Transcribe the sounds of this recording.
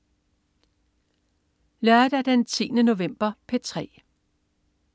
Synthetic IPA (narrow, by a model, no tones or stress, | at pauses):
læd̥æd̥ent͡sʰḭːnəno̝ʋem̰b̥ɐpʰet͡sʰʁɛ̰ː